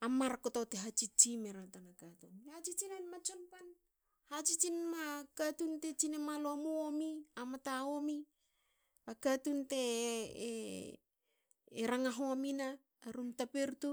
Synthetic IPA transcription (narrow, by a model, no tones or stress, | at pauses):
amːaɾakotateɦat͡ʃit͡ʃimeɾatanakatunat͡ʃit͡ʃinanmat͡ʃonpan | hat͡ʃit͡ʃinmakatunte̞t͡ʃinemalomuomiamataomi | akatunte | ɾaŋaɦoamina | ɾumtapeɾtu